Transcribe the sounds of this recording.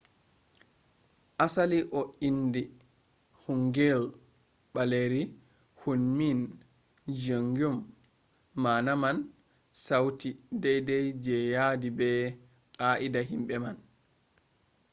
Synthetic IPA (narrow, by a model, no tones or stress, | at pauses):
ʔasaliʔɔindi | huŋɡɛl | baleɾi | hunmin | d͡ʒoŋɡɔmː | aːnaman | sawtidɛjdɛjd͡ʒɛjadibɛ | ʔaʔidaɦimɓɛman